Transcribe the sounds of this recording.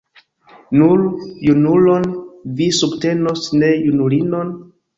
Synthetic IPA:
nuljunulo̞nvisubte̞no̞sne̞junulinon

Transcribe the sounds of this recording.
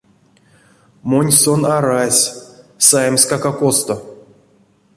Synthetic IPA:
monʲsonaɾasʲsajmsʲkakakost̪o

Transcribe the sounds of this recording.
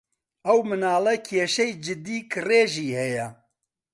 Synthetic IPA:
ɐwmɨnaːlɛkʰeːʃɛjd͡ʒɪd̪iːkʰɨreːʒiːhɛjɛ

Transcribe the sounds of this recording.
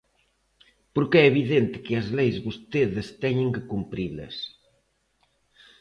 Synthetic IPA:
poɾkeɛeβ̞iðent̪ɪ̥keɐzlejzβost̪eðest̪ɛɲeŋkekumpɾilɐ̰s

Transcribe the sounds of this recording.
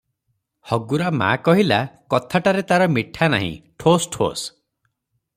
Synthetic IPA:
hɔɡuɾama̰kɔɦilakɔt̪ʰaʈaɾet̪aɾɔmiʈʰana̰ɦḭ̃ʈʰosʈʰo̰s

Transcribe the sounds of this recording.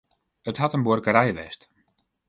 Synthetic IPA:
əthatənborkəɾɛjʋɛ̰st

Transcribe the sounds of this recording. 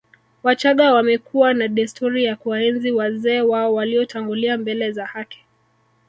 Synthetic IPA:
wat͡ʃaɠawamɛkuwanaɗɛstɔɾijakuwaɛnziwazɛːwaɔwaliɔtaŋɡuliambɛlɛzahaki̥

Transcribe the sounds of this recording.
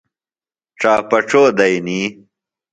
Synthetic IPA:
ʈ͡ʂaːpɐʈ͡ʂoːd̪ɐjniː

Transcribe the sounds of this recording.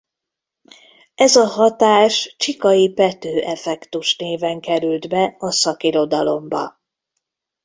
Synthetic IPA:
ɛzɒɦɒt̪aːʃt͡ʃikɒjipɛt̪øːʔɛfɛkt̪uʃneːvɛŋkɛɾylt̪bɛɒsɒkiɾo̞d̪ɒlo̞mbɒ̰

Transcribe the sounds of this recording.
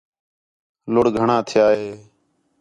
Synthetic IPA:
lʊɽɡʱəɳãːt̪ʰɪjaːɦeː

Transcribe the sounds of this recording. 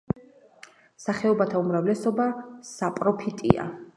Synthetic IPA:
saχɛɔbat̪ʰaumɾavlɛsɔbasapʼɾɔpʰit̪ʼḭa̰

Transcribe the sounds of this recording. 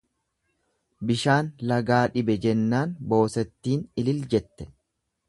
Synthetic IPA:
bɪʃaːnlɐɡaːᶑɪbɛd͡ʒɛnːaːnbo̞ːsɛt̪ːiːnɪlɪld͡ʒɛt̪ːɛ̥

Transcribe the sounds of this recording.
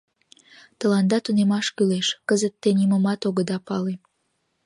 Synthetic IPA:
t̪ə̆lɑnd̪ɑt̪unemɑʃkyleʃkəzət̪ːeniməmɑt̪oɣəd̪ɑpɑle

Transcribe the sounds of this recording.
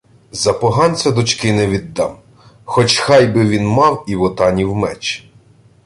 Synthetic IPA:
zɐpɔɦɑnt͡sʲɐd̪ʊt͡ʃkɪnɛʋʲid̪ːɑm | xɔt͡ʃxɑjbɪʋʲinmɑwiwɔt̪ɑnʲiwmɛt͡ʃ

